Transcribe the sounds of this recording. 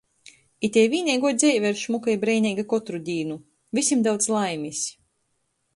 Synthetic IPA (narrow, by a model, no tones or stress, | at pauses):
it̪ʲɛjvʲiːnʲiɛjɡuɔd̪zʲɛjvʲɛɾʃmukajbɾɛjnʲiːɡakɔt̪ɾud̪ʲiːnu | visʲimd̪awt̪slˠajmisʲ